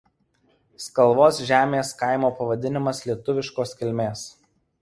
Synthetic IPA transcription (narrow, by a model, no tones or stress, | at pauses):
skɐlˠʋoːsʒʲæːmʲeːskɑˑɪmoːpɐʋɐd̪ʲɪnʲɪmɐslʲiɛt̪ʊʋʲɪʃkoːskʲɪlʲmʲeːs